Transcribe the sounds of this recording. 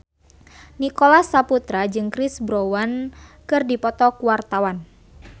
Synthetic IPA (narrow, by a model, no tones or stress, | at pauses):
nikolasaput̪ɾad͡ʒɨŋkɾisbɾowankɨrdipɔt̪ɔkuwart̪awan